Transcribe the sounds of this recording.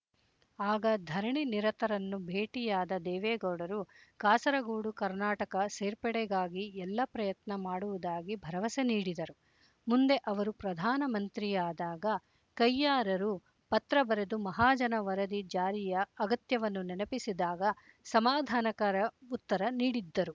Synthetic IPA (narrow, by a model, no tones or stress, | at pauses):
aːɡɐd̪ʱɐɾɳiniɾɐt̪ɐɾɐnːubʱeːʈijaːd̪ɐd̪ɛːʋɛːɡɐwɽɐɾukaːsɐɾɐɡuːɽukɐɾnaːʈɐkɐseːɾpɛɽɛɡaːɡiɛlːɐpɾɐjɐt̪nɐmaːɽuʋud̪aːɡibʱɐɾɐʋɐseniːɽid̪ɐɾu | mund̪e̞ʔɐʋɐɾupɾɐd̪ʱaːnɐmɐnt̪ɾijaːd̪aːɡɐ | kɐjːaːɾɐɾu | pɐt̪ɾɐbɐɾed̪umɐɦaːd͡ʒɐnɐʋɐɾɐd̪id͡ʒaːɾijɐɐɡɐt̪jɐʋɐnːunɛnɐpisid̪aːɡɐ | sɐmaːd̪ʱaːnɐkaːɾɐut̪ːɐɾɐniːɽid̪ːɐɾu